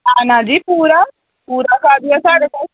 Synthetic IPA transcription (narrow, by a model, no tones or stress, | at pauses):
anãːd͡ʒiːpuːɾa | puːɾakaːd̪iasaːɽeːpa